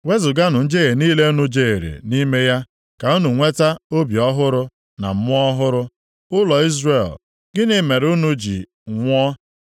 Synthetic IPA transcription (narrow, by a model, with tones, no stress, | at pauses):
we˦zʊ˨ɡa˦nʊ˨n̩˦d͡ʒe˦ɣe˨niː˦le˦u˦nu˦d͡ʒe˨e˨ɾḛ˨ni˦me˦ja˦ | ka˨u˦nu˨ŋʷe˦ta˦o˦bjɔ˦ɦʊ˦ɾʊ˦ | na̰˨m̩˦mʊ˦ɔ˦ɦʊ˦ɾʊ˦ | ʊ˦lɔ˨i˦zre˦˨l | ɡ̥ɪ˦nɪ˨me˨ɾʊ˦nu˦d͡ʒḭ˨ | ŋʷɔ˦